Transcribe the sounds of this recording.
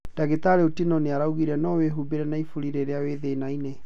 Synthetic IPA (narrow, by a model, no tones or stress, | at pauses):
d̥aɣetaɾeotinɔneaɾauɣiɾɛnɔweɦubeɾɛnaifuɾiɾeɾeaweðenaine